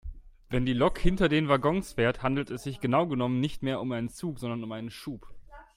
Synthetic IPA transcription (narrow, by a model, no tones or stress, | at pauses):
vɛndiːlɔkhɪntɐdeːnvaɡɔŋsfeːɐthandl̩tɛsz̥ɪçɡ̥ənaʊɡənɔmənːɪçtmeːɐʊmʔaɪnənt͡suːkz̥ɔndɐnʊmʔaɪnənʃuːp